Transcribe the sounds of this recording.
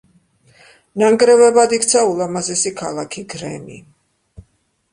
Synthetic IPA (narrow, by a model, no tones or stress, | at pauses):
naŋɡɾɛvɛbad̪ik̚ʰt̪sʰaulˠamazɛsikʰalˠakʰiɡɾɛ̰mḭ